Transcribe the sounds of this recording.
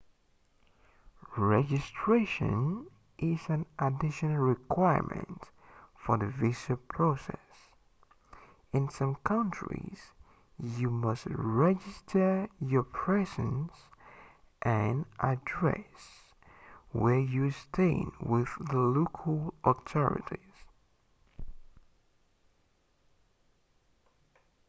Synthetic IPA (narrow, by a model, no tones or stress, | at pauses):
ɹɛd͡ʒɨstʰɹ̥eʃɨ̰̃n | ʔɪzɨ̃nʔədɪʃɔnl̩ˠɹikʰw̥aɪə̰˞mɨ̰̃nt | fə˞ðɨvɪʃəpʰɹ̥osɛ̰s | ɨ̃nsʌ̃mkʰʌ̃nt͡ʃɹḭz̥ | jɨmʌstɹɛd͡ʒɪstʰə˞jə˞pʰɹ̥ɛzɨ̃ns | ʔɨ̃nʔədɹɛ̰s | wə˞jɨstʰẽɪ̰̃nwɪððəlokʰl̩ˠɔtʰɔɹɨ̰ɾiz̥